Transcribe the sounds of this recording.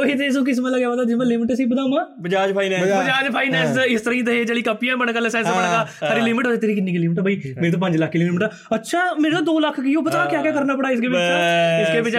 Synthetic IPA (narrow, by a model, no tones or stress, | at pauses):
oit̪esõːk̬ɪs̬mãːləɡjaːʋad̪aːd͡ʒɪmãːlɪmɪʈesiːbəd̪aːmãːbəd͡ʒaːd͡ʒpʰaːinɛbəd͡ʒaːd͡ʒpʰaːiːnɛːsɪst̪əɾãĩt̪əɦed͡ʒeːɽiːkapijãːbəɳkaːlesɛ̃ːsbəɳkaːsʰaːɾiːlɪmɪʈoːd̪eːt̪eːɾiːkɪnːiːkilɪmɪʈːbaiːmeːɾeːt̪oːpə̃ɲd͡ʒləkʰːklɪmmʈa | ətːʃʰaːmeːɾeːt̪õːd̪oːləkʰkiːoːpət̪aːkjãːkjãːkəɾnaːpəɽaːɪskeːbɪɪskeːbɪt͡ʃ